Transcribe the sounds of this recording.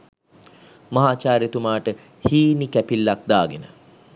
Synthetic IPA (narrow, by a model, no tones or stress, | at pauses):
mɐɦaːt͡ʃaːɾet̪umaːʈə | hiːnikæpilːak̚d̪aːɡenə̰